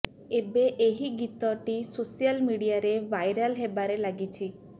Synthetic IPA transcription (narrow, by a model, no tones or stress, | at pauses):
ebeʔeɦiɡit̪ɔʈisosijəlmiɽijaɾeʋajɾəlɦebaɾelaɡit͡ʃʰi